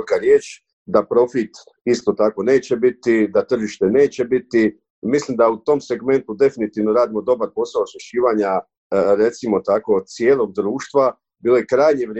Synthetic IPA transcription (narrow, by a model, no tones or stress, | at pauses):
kaɾjeːt͡ʃ | d̪apɾo̞fit̪ | ist̪o̞t̪ako̞ne̞ːt͡ɕe̞bit̪id̪at̪r̩ʒiʃt̪e̞ne̞ːt͡ɕe̞bit̪i | mislimd̪aut̪o̞mse̞ɡme̞nt̪ud̪e̞finit̪iʋno̞ɾaːd̪imo̞d̪o̞baɾpo̞saosuʃiːʋaɲa | ɾe̞t̪simo̞t̪ako̞sje̞ːlˠo̞ɡ̚d̪ɾuːʃt̪ʋa | biːlo̞jekɾaːjɲeʋɾ